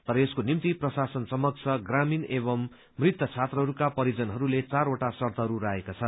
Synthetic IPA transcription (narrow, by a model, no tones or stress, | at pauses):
t̪ʌɾʌeskonimt̪iprʌsasʌnsʌmʌkt͡sʰʌɡraminebʌmː | rit̪ːʌt͡sʰat̪rʌɦʌɾukapʌɾid͡zʌnɦʌɾulet͡saɾoʈasʌrt̪aɦʌɾuɾaɦekat͡sʰʌ